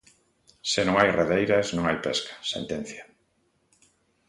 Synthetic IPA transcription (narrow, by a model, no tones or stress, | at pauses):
senõŋajreðejɾaznõŋajpeskḁsḛnt̪ẽn̟θja